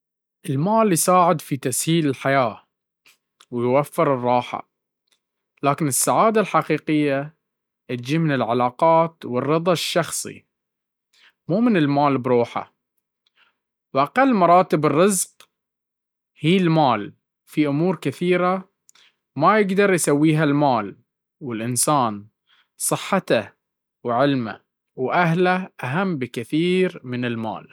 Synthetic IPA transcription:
ʔɪlmaːljsaːʕɪd̪fit̪ashiːlɪlħajaː | wjwafːɪɾɨrˤːɑːħa̰ | laːkɪnɪsːaʕaːd̪alħaqiːqɪjːa | ʔɪt̪d͡ʒiːmɪnɪlʕalaːqɑːt̪wɪrːɨðˤɑʃːɑxsˤḭ | muːmɪnɪlmaːlbɾuːħa̰ | wʔaqɑlːmɑɾˤɑːt̪ɪbɪrːɨzq | hiːlmaːl | fiʔʊmuːɾkɪθiːɾa | majɪɡd̪ɑɾˤjsawːiːɦalmaːl | wɪlʔɪnsaːn | sˤɨħːat̪a | wʕɪlma̰ | wʔaɦlaʔaɦamːbɪkɪθiːɾmɪnɪlma̰ːl

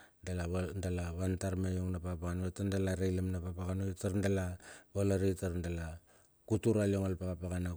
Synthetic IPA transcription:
dalaβndalaβantaɾmejoŋnapaɣapaɣanβatandalaɾajlamnapapaɣanotaɾndalaβalaɾitaɾndala | kutuɾalioŋalpaɣapaɣana

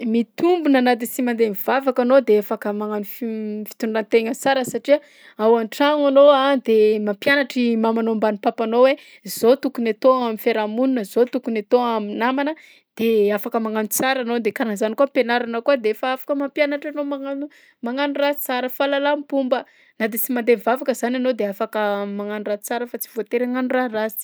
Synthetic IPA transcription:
mit̪umbunanad̪isimand̪emiv̥avakanod̪eefakəmaŋanuffi̥t̪unɳɖ͡ʐant̪eɲət͡saɾəsaʈ͡ʂia | awanʈ͡ʂaŋanoad̪emampjanaʈ͡ʂimamanombanipapanowe | z̥ot̪ukunat̪oamifeɾamununəz̥ot̪ukunat̪oaminamanə | d̪̥eafakəmaŋanut͡saɾanod̪ekaɾanzanikuapenaɾanəkuad̪efaafḁkəmampjanaʈ͡ʂanomaŋanu | maŋanuɾai̥t͡saɾəfalalampumbə | nad̪it͡simand̪evavakəzananod̪eafakəmaŋanurat͡saɾəfat͡si̥v̥ot̪eɾaŋanurarasi̥

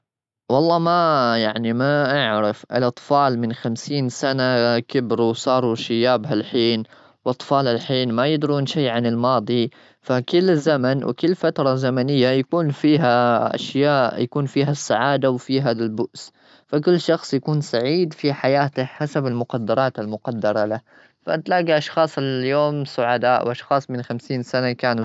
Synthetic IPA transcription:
wɑlˤːɑːmajaʕnimaʔaʕɾɪfʔɪ̰lʔɑt̪ˤfɑːlmɪnxamsiːnsanakɪbɾuwsˤɑːɾˤuʃɪjaːbɦalħiːn | wʔɑt̪ˤfɑːlalħiːnmajɪd̪ɾuːnʃajːʕanɪlmɑːd̪ˤi | fakɪlːzamanwʔɪ̰kɪlːfat̪ɾˤɑzamanɪjːajakuːnfiːɦaʔa̰ʃjaːʔjakuːnfiːɦasːaʕaːd̪awfiːɦadalbʊʔs | fakɪlːʃɑxsˤjakuːnsaʕiːd̪fiħajaːt̪ɪħasabɪlmʊqɑd̪ːɑɾˤɑːt̪almʊqɑd̪ːɑɾˤɑla | fa̰ʔt̪laːɡiʔɑʃxɑːsˤɪjoːmsʊʕad̪aːʔwʔɑʃxɑːsˤmɪnxamsiːnsanakaːnu

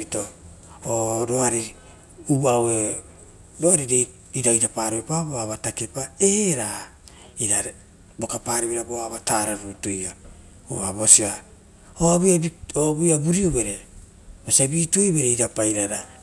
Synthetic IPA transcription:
ito | oɾo̞aɾi | uawe | ɾoaɾiɾe | iɾaiɾapaɾiβepaboaβatake̞paeɾa | iɾa | bokapaːɾiβeɾaboaβataːɾaɾutuja | ṵabosia | oaβjaoβujabuɾiobe̞ɾe | bosiabiːtuojβe̞ɾeiɾapajɾaɾa

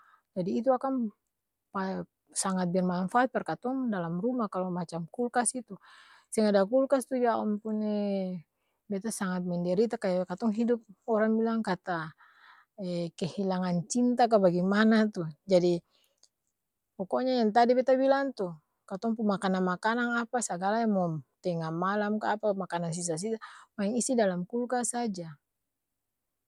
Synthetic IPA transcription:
d͡ʒadiːt̪̬uakaŋ | pa | saŋat̪̚bɛrmanfaːt̪̚pɛrkat̪ɔŋdalamrumakalɔmat͡ʃamkulkasit̪u | sɛŋadakulkast̪ud͡ʒaɔmpunɛ | bɛt̪asaŋat̪̚mɛndɛɾit̪akajakat̪ɔŋɦidup̚ɔɾaŋbilaŋkat̪a | ɛkɛhilaŋant͡ʃint̪ak̬abaɡɛmanat̪ud͡ʒadi | pɔkɔɲajaŋt̪̬adibɛt̪abilaŋt̪u | kat̪ɔŋpumakananmakanaŋapasaɡalajaŋmɔt̪ɛŋamalamkaːpamakanans̬is̬as̬isamaɛŋisidalamkulkasad͡ʒa

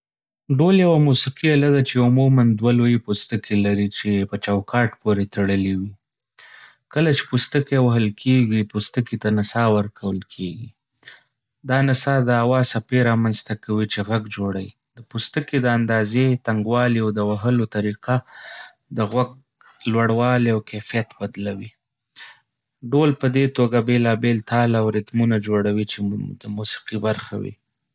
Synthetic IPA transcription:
ɖoljawamusiqialad̪at͡ʃeʊmumand̪walojepost̪əkʰelaɾit͡ʃepət͡ʃawkɑʈpoɾet̪aɽəlewi | kəlat͡ʃe̥pust̪əkewaɦəlkʰeɡipust̪əkit̪anasɑwəɾkʰawəlkʰeɡi | d̪ɑnɪsɑd̪əawɑsapeɾɑmanzt̪akawit͡ʃeɣaɡd͡ʒoɽaji | d̪əpust̪əked̪əand̪ɑzet̪aŋɡwɑliawd̪əwaɦəlot̪aɾiqa | d̪əɣwaɡ̚ | lwaɽwɑleawkefijat̪bad̪lawi | ɖolpəd̪et̪oɡabelɑbelt̪ɑlawɾɪt̪munad͡ʒoɽawit͡ʃed̪əmusi̥qibaɾxa̰wḭ

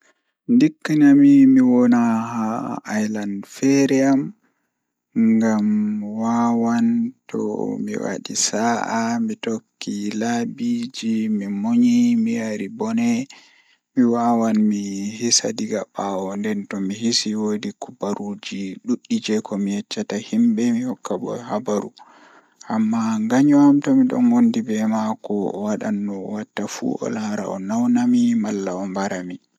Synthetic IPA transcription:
ndikːinamimiwɔnahaːjlandfɛɾɛam | ŋɡamwawantʰɔ̰mḭwa̰ɗḭsaʔamitokːilabid͡ʒimimoɲimijaɾibɔnɛ | miwaːwanmihisa̰diɡabawɔndɛntɔmihisiwodikubaɾud͡ʒiɗuɗːid͡ʒɛkɔmijɛt͡ʃːatahimbɛmihɔkːabɔ̰habaɾṵ | ʔamːaŋɡaɲɔamtɔmiɗɔ̰nwondibɛmakɔwaɗa̰nːɔwatːafṵɔ̰laɾa̰ɔ̰nawnamimalːaɔmbaɾami

